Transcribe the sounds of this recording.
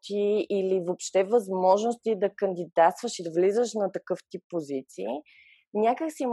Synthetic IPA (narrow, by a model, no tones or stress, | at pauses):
t̪iilivopʃt̪ɛvəzmɔʒnost̪id̪ɐkənd̪id̪at̪st̪vəʃid̪əvlizəʃnɐt̪ɐkɤft̪ipːozit̪sii | nʲakəksim